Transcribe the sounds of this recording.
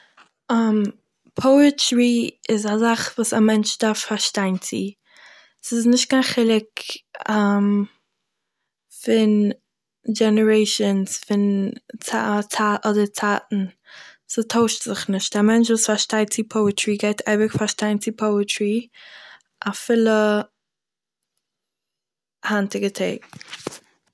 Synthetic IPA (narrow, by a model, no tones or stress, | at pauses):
am | pʰoʊətɹiɪzazaχvuːsamɛnt͡ʃdaffaɾʃtaɪntt͡sḭ | sɪsnɪʃt̚ɡ̥aχɪlˠɪkam | fɪn | d͡ʒɛnəɹeɪʃɔnsfɪnt͡sat͡sʰaːʔɔdət͡sʰaːtn̩ | sətʰoʊʃtz̥ɪχnɪʃt̚d̥ɛːmɛnt͡ʃvuːsfaʃtaɪt͡sipʰoʊətɹiɡeɪtʰaɪvəkfaʃtaɪnt͡sipʰoʊətʰɹi | ʔafɪlˠə | hantɪɡətʰeɪk